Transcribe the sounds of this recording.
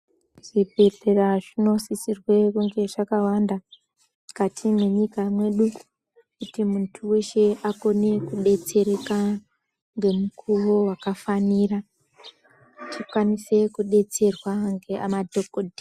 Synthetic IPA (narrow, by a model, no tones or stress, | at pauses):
ʐ̥ibʱe̞ɮe̞raʐino̞sisirwe̞kuŋɡe̞ʐakawanda | katʰimwe̞ɲikamwe̞ɗu | kutimuntʰuwe̞ʃe̞ako̞ne̞kuɗe̞t͡se̞ɾeka | ŋɡe̞mukʰuʋo̞wakafanira | tʰikwanise̞kuɗe̞t͡se̞rwaŋɡe̞ʔa̰madʱokodʱi